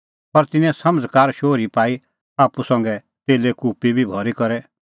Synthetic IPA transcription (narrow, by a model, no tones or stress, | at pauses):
pɐɾt̪ɪnːɛ̃sɐməd͡zkaːɾʃoːɾipaːi | aːpusɐ̃ŋɡɛ | t̪eːlekuːpibʱibʱɔːɾikɐɾɛ